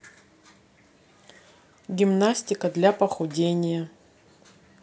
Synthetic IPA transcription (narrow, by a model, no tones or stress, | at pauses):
ɡʲɪmnasʲtʲɪkəd̪lʲapəxʊdʲenʲɪjə